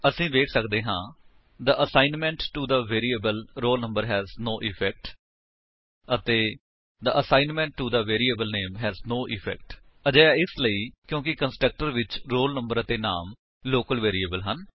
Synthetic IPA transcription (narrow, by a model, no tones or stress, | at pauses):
əsĩːʋeːkʰsəkd̪eːɦãː | d̪əʔəsaːɪnmɛ̃ɳʈːud̪əʋeːɾiəbəlɾoːlnə̃mbəɾɦɛːznoːʔɪfʰɛk̚ʈ | ət̪eː | d̪əʔəsãːɪnmɛ̃ɳʈːud̪əʋeːɾiːebəlneːmɦɛːznoːʔɪfʰɛ̰ːk̚ʈ | əd͡ʒaːjaːɪsləiːkjõːkɪkə̃nsʈɾək̚ʈəɾʋɪt͡ʃɾoːlnə̃mbəɾət̪eːnaːm | loːkəlʋeːɾiəːbəlɦən